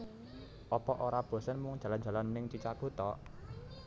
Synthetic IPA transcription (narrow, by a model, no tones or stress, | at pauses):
ʔɔpɔʔoɾab̥o̤sənmʊŋ̥ʒ̥ä̤lan̥d͡ʒ̥a̤lanmənɪŋt͡ʃit͡ʃaɡ̥o̤t̪ɔ